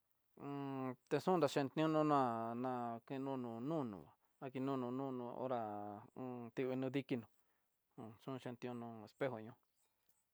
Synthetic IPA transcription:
t̪e˧sũ˦nɾa˧ʃẽ˧nt̪nĩ˦ũ˦nũ˦nã˦˧nã˧kẽ˦˧nũː˦˧nũ˨nũ˦˧nṵ̃˨a˨ | a˦ki˧nũ˦˧nũ˧˨nũː˦˧nũ˧o̰˦ɾã˧ | t̪i˦˧βi˧nũ˦ði˦ki˧nũ˨˧˨ | sũ˦˧ʃẽ˧nt̪ĩ˧õ˧nũ˧e˧spe˦ɦo˨ɲõ˦

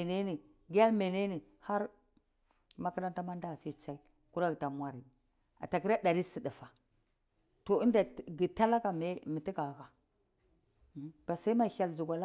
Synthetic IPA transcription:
ne˦ni˨ | ɡa˦lme˨ne˦ne˨ | ha˦ɾ | ma˦ki˦ɾa˦nta˦ma˦nda˦˨si˦˨t͡ʃa˦i˦ | ku˦ɾa˦ɡi˨ta˨m˦a˦ɾi˨ | a̰˨ta˨ki˦ɾa˦da˨ɾi˦si˨di˨fa˨ | to˨i˦nda˨ɡi˨ta˦la˦ka˨me˦mi˨ti˦ka˨a˨ka˨ | b̥a˨sa˦i˦ma˦˨ha˨lzu˨ɡʷa˨la˦

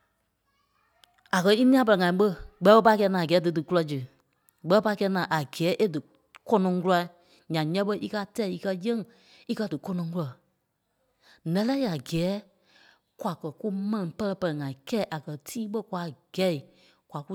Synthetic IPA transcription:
a˨kɜ˧i˦nĩ˦ã˦p̬ɜ˧lɛ˨ŋã˨ĩ˨˦ɓə˦ɡ͡bɛ˨˦ɓə˦pa˧˦kɛ˧˦nãː˨ɡɛː˨˦dɨ˨˦dɨ˨ku˦lɔ˧d͡ʒɨ˨ | ɡ͡bɛ˧˦˧pa˧˦kɛ˧˦nãː˨ʔa˨ɡɛː˨˦ʔe˦dɨ˨ | kɔ˦nɔ̃˨˧ŋku˦la˧˨ | ɲã˨ɲɛ̃˦ɓə˧˦ʔi˦kaː˦tɛ˦˨i˧kɜ˧jə̃˦ŋ˨ | i˦kɜ˧˨dɨ˨kɔ˧nɔ̃˧˦ŋku˧lɔ˨ | lɛ̃˨˦lɛ˦i˦a˨ɡɛː˨˦ | kwa˨kɜ˨ku˦mɛ̃˦nĩ˨pɜ˦lɜ˧pɜ˧lɛ˨ŋã˨ĩ˨kɛ˦ʔa˨kɜ˨tʰiː˦ɓə˦kwa˨˧˨ɡ̥ɛ˨˦i˨ | kwa˨ku˦

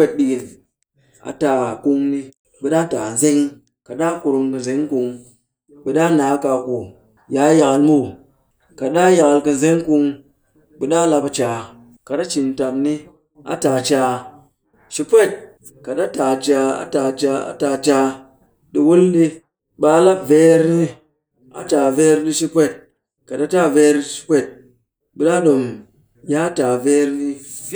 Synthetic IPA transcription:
e˦t̚ɗi˧ɡi˨n | a̰˨ta˨ku˧ŋni˧ | bɨ˨ɗa˦ta˨ze˦ŋ˦ | ka˨ɗa˦ku˧ɾu˧ŋkɨ˨nze˨˦ŋ˦ku˨˧ŋ | bɨ˨ɗa˦na˨˦ka˧˨ku˨ | ja˨˦ja˧ka˧lmu˦˨ | ka˨ɗa˦ja˨ka˧lkɨ˨ze˦ŋ˦ku˧ŋ | bɨ˨ɗa˦la˧pa˧t͡ʃa˨ | ka˨ɗa˦t͡ʃi˨n̩˨ta˨mni˦ | a̰˨ta˨t͡ʃa˧ | ʃi˦pʷe˦˨t̚ | ka˨ɗa˦ta˨d͡ʒa˨a̰˦ta˨d͡ʒa˨a̰˦ta˨t͡ʃa˨ | di˨wu˦lɗi˦ | ɓa˨˦la˦ve˦ɾni˦ | a̰˨t͡ʃa˨ve˦ɾdi˦ʃi˦pʷe˦˨t̚ | ka˨ɗa˦ta˦ve˦ɾʃi̥˦pʷe˦˨t̚ | bi˨ɗa˦ɗo˨m | ja˦ta˨ve˦ɾdi˦

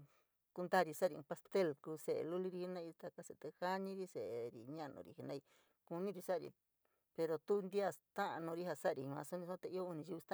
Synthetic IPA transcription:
ku˧nd̪a˦˨ɾi˧sa˦˨ɾi˧ũ˧pa˧st̪e˦˨lkuː˧se˨ʔḛ˧lu˦li˧ɾi˧hi˧nã˦˧i˧t̪a˧ka˧se˧˨t̪e˧ha˦ɲĩ˦ɾi˦se˨ʔe˨ɾḭ˨ɲã˦˨nṵ̃˧˨ɾḭ˧hi˧nã˦˧i˧ | ku˧nĩ˦ɾi˧sa˦˨ɾḭ˧˨ | pe˧ɾo˧t̪u˦˧nd̪i˦a˦st̪ã˦ʔa˧nõ˧ɾi˦ha˧sa˦˧ɾĩ˧˨˧ã̰˧so˦nĩ˧sã˦t̪e˧i˦o˦˧u˧nĩ˧ʃi˧u˧t̪ã˦

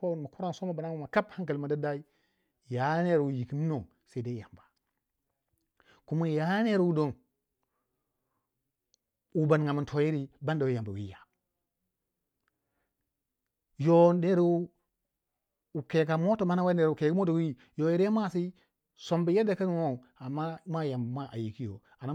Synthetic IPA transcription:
fo˦˨nma˨ko˦ɾa˦nso˦ma˦ba˨na˦u˨ma˨ka˦bha˦ŋka˨lma˨da˦da˦i˦ | ja˨˦ne˦˨ɾwu˨ji˨ki˦n˦no˨ | se˦i˦da˦ja˨mba˨ | ku˦mo˦˨ja˦ne˦ɾwu˦do˦n | u˨ba˨nŋa˨mi˨ntʰo˨ji˦ɾi˦ba˦nda˨wi˦ja˨mba˨wḭ˦ja˨ | jo˨ne˦ɾ | u˨ke˨ɡa˨mo˦to˨ma˦na˦wa˦ne˨ɾke˨ɡi˦mo˦to˨wi˦ | jo˨ji˦ɾa˦ma˦˨si˦ | so˨mba˨je˦da˨ka˦n˦˨no˦˨ | a˨mːa˦ma˦ja˨mbma˦ʔa̰˨ji˨ki˦jo̰˨ | a˨na˦

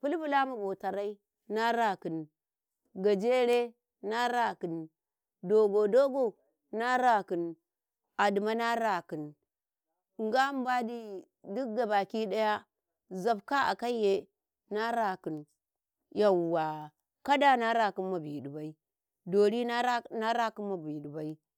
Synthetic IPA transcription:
pu˦lbu˦la˦ma˨bo˨ta˨ɾa˦i˦ | na˦ɾa˨ki˨n | ɡa˨d͡ʒe˦ɾe˦ | na˦ɾa˨ki˨n | do˨ɡo˨do˦ɡo˦ | na˦ɾa˨kɨ˨n | a˨di˨ma˦na˦ɾa˨ki˨n˨ | ŋɡa˦m˦ba˦di˦ | du˦k̚ɡa˨ba˨ki˦da˦ja˦ | za˨bka˦a̰˨ka˦je˦ | na˦ɾa˨ki˨n | ja˨wwa˨ | ka˦da˦na˦ɾa˨ki˦nma˨bi˨du˨ba˨i˦ | do˨ɾi˦na˦ɾa˦ki˦nma˨bi˨di˨ba˨˦i˦

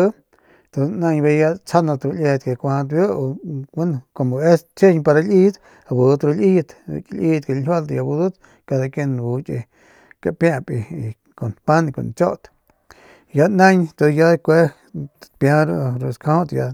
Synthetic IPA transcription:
t̪o˧nã˧ɲbe˧ja˧t͡sʰa˦nã˧t̪ɾu˧lʲe˧t̪̚ke˧˨kʷa˧ã˧t̪̬ju˦o˧wu˦n˧ko˧mo˧˨e˦st͡ʃe˦ɲpa˧ɾa˧lʲʔi˦t̪ | a˧˨bu˨˧t̪ɾu˧li˦˧t̪klʲʔi˧t̪̚ka˧˨˧wa˦lt̪ja˧bu˧d̪u˦t̪ | ka˧d̪a˧ke˧n˧bu˧t͡ʃʼḛ˧ | ka˧ʔpjã˧pʼi˧ | ko˨npa˦n˧ko̰˨nt͡ʃo˦ʔt̪ | ja˧nã˦ɲt̪o˧ja˧kʷe˦ | pjã˧ɾu˧ɾu˧skʰõ˦t̪ja˧

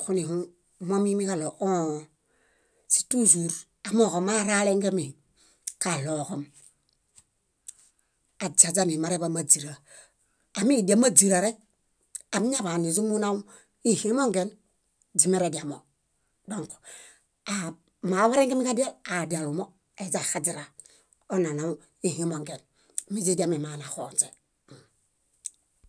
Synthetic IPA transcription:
ku˦ni˨hu˦ | mo˦mi˦mi˦ka˦lo˨ʔo˦ | si̥˨tu˦s̬u˨ɾ | a˨mo˨ko˨ma˦ɾa˦le˦ŋɡe˦mi˨ | ka˨lo˨ko˨m | a˨d͡ʒa˨d͡ʒa˦mi˨ma˨˦ɾe˦ba˦ma˨d͡ʒi˨ɾaː˨ | miː˦˨di˨a˦ma˦d͡ʒi˨ɾa˨ɾe˦ | a˨mi˦ɲa˦ba˨ni˨z̬u˦mu˦na˦w | i˦hi˦mo˦ŋɡe˦n | d͡ʒi˨˦me˦ɾe˨di˨a˨mo˨ | do˦ŋko̥˨ | a˨ | ma˨˦wa˦ɾe˦ŋki˦mi˦ka˦di˦a˦a˨di˨a˨lu˨mo˦ | e˨d͡ʒa˨xa˦d͡ʒi˦ɾa˨ | o˦na˨na˨˦ | i˦˨hi˦mo˨ŋɡe˨n˨ | mi˦d͡ʒe˦di˦a˦mi˨ma˨na˨xo˨nt͡ʃe˨

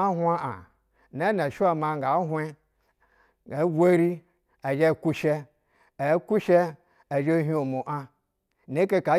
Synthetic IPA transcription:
a˦ɦʷa˦ʔa̰˨ | na˦n˨a˨ʃu˦a˨ma˨ŋɡa˨˦ɦwe˦ | a˨˦ɡʷe˦ɾi˦ | a˨d͡ʒe˦˨ku˦ʃe˦ | e˨˦ku˦ʃe˦ | a˨d͡ʒe˦ɦi˦o˨mo˨ʔa˦ | ne˦ke˦ka˨˦

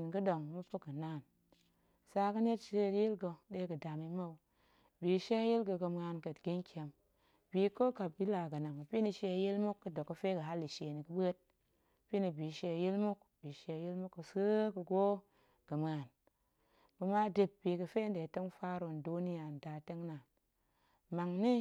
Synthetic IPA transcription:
n˨kɨ˦do˨ŋmu˦pə˦kɨ˨na˦˨n | sa˧kə˦ne˦tʃe˦˨˦ji˦lɡo˧ɗe˦kɨ˨da˨mi˦ma˦w | bi˨˦ʃe˦a˦ji˦lɡə˧kə˧m˧a˧nkə˨tɡi˦ŋ˦kʰʲe˧m | bi˨ko˦ka˨bi˦la˨kə˨na˨ŋa˨pʲi˦ni˧ʃe˧a˨ji˦lmu˦kːɨ˦do˨kːə˧fe˦kə˨ɦa˦lːi˨ʃe˨ni˨kɨ˦bə˦t̚ | pi˦ni˧bi˨˦ʃe˧˨ji˦lmu˦kbi˨˦ʃe˧˨ji˦lmu˦kːə˧sɨ˦kə˧ɡo˦ | ɡ̥ə˨m˨a˨n | bə˧ma˦de˨p̚bi˨kə˧fe˦n˦de˨te˦ŋfa˦ɾo˧˨ndu˦ni˦ja˨n˨da˨te˦ŋna˨ | ma˨ŋni˦

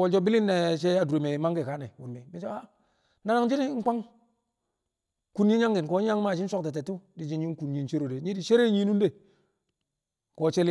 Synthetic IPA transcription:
o˨d͡ʒo˦bi˦li˦nːe˨t͡ʃe˦a˦du˨ɾe˨me˨ma˦ŋɡe˨ka˨˦ne˨wṵ˨nmi˨mi˨˦d͡ʒo˦a˦ | na˦na˦ŋd͡ʒi˦ni˦ŋ̩˦k͡pa˦ŋ | ku˦n˦ɲi˦ɲa˦ŋɡi˨n˨ko˨˦ɲa˦ŋma˦˨d͡ʒi˦n˦so˦kte˨t̬e˨tːu˦di˨d͡ʒi˦nɲi˦n˦ku˨nɲi˦nt͡ʃe˦ɾo˨de˨˦ɲi˦di˨ʃe˦ɾe˦ɲi˦nu˦de˦˨ | ko˨t͡ʃe˦l

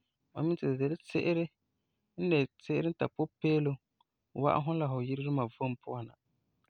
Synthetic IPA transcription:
ma̰˨mi˦tɨ˨de˨lɪ˦tɪ̰˦ʔɪ˦ɾɪ˦ | n̩˦ne˨tɪ˦ʔɪ˦ɾɪ˦n̩˦ta̰˨po˦peː˦lo˦˨ | wa̰˦ʔa̰˦ɦʊ˦n˦la˨ɦʊ˨ji˦ɾɪ˦ɾɨ˦ma˨vo˦m˦pʊ˦a˨na̰˨

